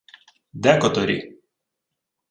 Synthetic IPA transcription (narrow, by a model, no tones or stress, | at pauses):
d̪ʲæːkɔt̪ɔɾʲi